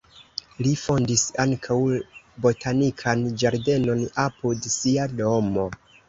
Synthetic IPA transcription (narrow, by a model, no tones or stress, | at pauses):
lifo̞ndisaŋkʰaw | bo̞tʰanikʰand͡ʒaɾde̞no̞napudsiado̞mo̞